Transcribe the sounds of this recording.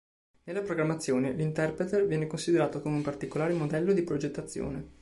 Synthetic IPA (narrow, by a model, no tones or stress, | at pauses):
nelːapɾoɡɾamːat̪sːjoːnelint̪ɛrpɾet̪ervjɛːnekonsid̪eɾaːt̪okomeumpart̪ikolaːɾemod̪ɛlːod̪ipɾod͡ʒet̪ːat̪sːjo̰ːne